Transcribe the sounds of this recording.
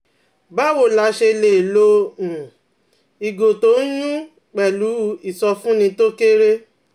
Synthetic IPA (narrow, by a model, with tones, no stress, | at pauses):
ba˦˨wo˦˨la˨˦ʃe˧˨le˨lõ˧˨ | i˨ɡo˨to˨˦n̩˦ɲũ˦ | k͡pɛ˨lu˨˦i˨sɔ˧fũ˦nĩ˧˦to˦ke˦ɾe˦